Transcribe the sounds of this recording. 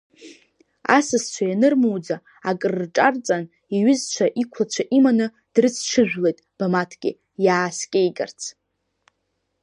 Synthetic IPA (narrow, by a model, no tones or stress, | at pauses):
a̰sɨst͡ʃʷʰajanɨrmuwd͡za | akʼɨrːʈ͡ʂʼart͡sʼan | iɥʏzt͡ʃʷʰaʔikʷʰlat͡ʃʷʰaʔimanɨ | d̥rɨt͡sʰʈ͡ʂʰɨʒᶣʷle̞jtʼb̥amatʰɡʲɪ̰ | jaːskʲʼejɡʼa̰rt͡sʰ